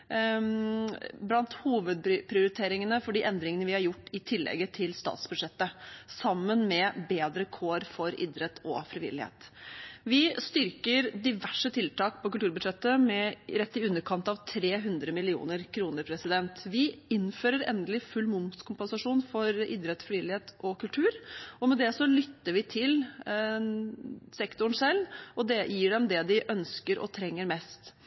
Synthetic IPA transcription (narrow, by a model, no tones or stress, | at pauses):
blɑnt̪huːʋəd̪̚ppʰɾɪʊɾɪt̪ʰeːɾɪŋənəfɔɖiːʔɛnd̪ɾɪŋənəʋɪhɑɾjʊʈːɪt̪ʰɪlːɛ̰ɡət̪ʰɪlst̪ɑ̰ːt̪sbʉd̪ʂɛt̪ːəsɑmːənmɛbeːd̪ɾəkʰoːɾfɔɾɪ̰d̪ɾət̪ʰɔ̰fɾɪʋɪ̰lːɪhḛːt̪ʋɪst̪ʏɾkəɾd̪ɪʋæʂət̪ʰɪlt̪ɑːk̚pʰɔk̬ʉlt̪ʉːɾbʉd̪ʂɛt̪ːəmɛɾɛt̪ːɪʉnːəɾkʰɑnt̪ɑʋt̪ʰɾeːɦʉnd̪ɾəmɪlɪṵːnəɾkʰɾuːnəɾpʰɾɛsɪd̪ɛnt̪ʋɪɪnføːɾəɾɛ̰nd̪əlɪfʉlːmʊmt̪skʰʊmpɛnsɑʂuːnfɔɾɪ̰d̪ɾət̪sfɾɪʋɪlːɪheːt̪ʔɔkʉlt̪ʰʉːɾɔmɛd̪ɛsɔlʏt̪ːəɾʋɪt̪ʰɪl | sɛkt̪ʊɳ̩sɛlːɔd̪ɛjiːɖɛmd̪ɛd̪ɪʔœnskəɾʔɔ̰t̪ʰɾɛŋːəɾmɛst̪